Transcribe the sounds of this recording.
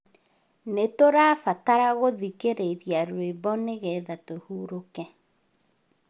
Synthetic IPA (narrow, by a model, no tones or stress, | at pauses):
netoɾaːfataɾaɣoðikeɾeiɾjaɾwebɔneɣɛðatohuːɾokɛ